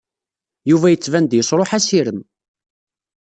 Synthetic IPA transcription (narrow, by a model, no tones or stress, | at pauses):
juvæjət͡sːvænd̪jəsˤɾˤoħæsiɾəm